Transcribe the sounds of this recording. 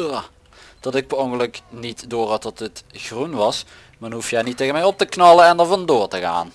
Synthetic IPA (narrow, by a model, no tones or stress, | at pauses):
a | d̥ɑtɪk̚bəɔŋɡələknitdʊːrɑtɔtətxrunʋɑs | maːdɔnɦufjɛnitːeɣənmɛjɔp̚təknɑləɛndəɹvɑndʊːɹtəɣa̰ːn